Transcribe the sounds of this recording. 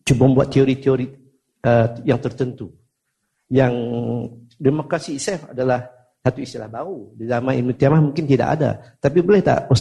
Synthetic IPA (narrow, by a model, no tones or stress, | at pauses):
t͡ʃubammbuat̪ːioɾit̪ioɾi | əjaŋt̪ərt̪ənt̪u | jaŋ | demokɾasiːsɛfa̰dalah | sat̪uist̪ilahbaɾudizamãindut̪iamamuŋkɪnt̪ida̰ʔa̰da̰t̪apibolɛht̪a̰ʔpos